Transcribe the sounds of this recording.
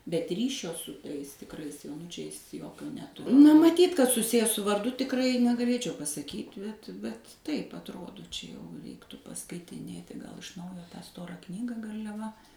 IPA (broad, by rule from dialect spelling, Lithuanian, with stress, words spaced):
bʲɛt ˈrʲiːʃʲoː sʊ ˈtɐɪs tʲɪkˈrɐɪs joːˈnʊt͡ʃʲɛɪs ˈjoːkʲoː nʲɛˈtʊ nɐ mɐˈtʲiːt kɐt sʊˈsʲɪjæː sʊ ʋɐrˈdʊ tʲɪkˈrɐɪ nʲɛɡɐˈlʲeːt͡ʃʲɛʊ pɐsɐˈkʲiːtʲ bʲɛt bʲɛt ˈtɐɪp ɐtˈroːdoː ˈt͡ʃʲɛ jɛʊ ˈrʲɛɪktʊ pɐskɐɪtʲɪˈnʲeːtʲɪ ɡɐlˠ ɪʃ ˈnɐʊjoː tɑː ˈstoːrɑː ˈknʲiːɡɐ ɡɐrʲlʲɛˈʋɐ